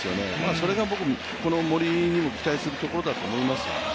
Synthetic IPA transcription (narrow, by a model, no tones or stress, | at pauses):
sɨjo̞ne̞̰maːso̞ɾe̞ɡabo̞kɯ̟ | ko̞no̞mo̞ɾʲiɲ̟imo̞kʲi̥t̪aisɨɾɯ̟t̪o̞ko̞ɾo̞d̪at̪o̞ːmo̞imasɨ̥ja̰